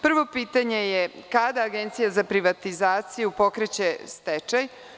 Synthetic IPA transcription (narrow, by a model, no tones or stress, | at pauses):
pr̩ʋo̞piːt̪aɲe̞jekad̪aːɡent̪sijazapɾiʋat̪izaːt̪sijupo̞kɾet͡ɕe̞st̪et͡ʃaj